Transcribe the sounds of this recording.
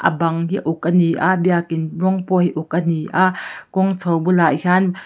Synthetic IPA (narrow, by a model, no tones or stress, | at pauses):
ʔə̰bɐŋɦiʔʊk̚ʔəniʔaʔbiakɪnrɔŋpɔhiʔʊk̚ʔəniʔaʔkɔŋt͡sʰɔwbulaːjhan